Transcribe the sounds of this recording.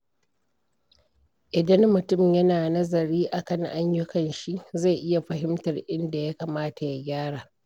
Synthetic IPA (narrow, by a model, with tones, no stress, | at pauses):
ʔɪ˨dɐ˦mmʊ˨tʊ˦˨mjɐ˦naː˨nɐ˦zɐ˨ɾiː˦ʔa˨kɐ˦ŋʔa˦ɲjʊ˦kɐ˨nʃi˦za˦˨jʔɪ˦ja˨ɸɐ˨ɦɪ˦mtɐ˨rʔɪ˦nda˨ja˦kaː˨maː˦ta˨ja˦ɡʲaː˦ɽaː˨